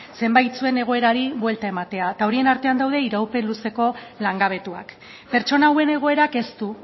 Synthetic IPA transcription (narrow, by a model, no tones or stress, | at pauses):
se̞mbajt͡sue̞ne̞ɣ̞o̞e̞ɾaɾiβwe̞lt̪ae̞mat̪e̞at̪ao̞ɾie̞naɾt̪e̞and̪awðe̞iɾawpe̞nluse̞ko̞laŋɡaβ̞e̞t̪ua̰k | pe̞ɾt͡ʃo̞nawe̞ne̞ɣ̞o̞e̞ɾake̞st̪u